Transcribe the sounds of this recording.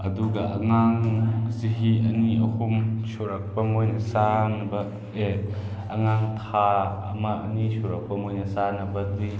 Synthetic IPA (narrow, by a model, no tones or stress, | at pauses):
ʔɐduɡaʔɐŋaŋsiɦiʔɐniɐhumsuɾɐk̚pɐmojnɐsanɐbɐ | e | ɐŋaŋt̪ʰaɐmaʔɐ̰nisuɾɐk̚pɐmojnɐsanɐbɐdi